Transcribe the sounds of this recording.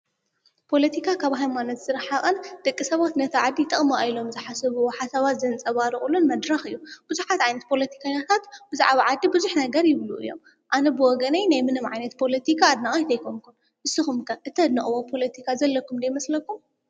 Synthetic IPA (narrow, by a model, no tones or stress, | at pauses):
pʰo̞lɐt̪ʰikʰakʰaβɦajmanot̪z̥ɨɾħaχʼɐnd̪̥ɐkʼːisɐβat̪nɐt̪ʰɐʕad̪ːit̪ʼːɐχʼmoajlo̞mzɨħasɐβɨwoħasaβat̪zɐnt͡sʼɐβaɾɨχʼulunmɐd̪ɾɐxɨjːub̥uzuħat̪ʕajnɐt̪̚pʰo̞lɐt̪ʰi̥kʰaɲat̪ʰat̪b̥ɨza̰ʕβaʕad̪ːibɨzuħnɐɡɐɾjɪβluʔɨ̰jːo̞̰m | ʔanɐbɨwɔɡɐnɐjnajmɨnɨmʕa̰jnɐt̪̚pʰo̞lɐt̪ʰikʰaːd̪nɐχʼɐjt̪ʰɐjkʰomkʰun | ʔɨsɨxumkʰɐʔɨt̪ʰɐd̪nɨχʼwopʰo̞lɐt̪ʰikʰazɐlːɐkːumd̪ɐjmɐslɐkːum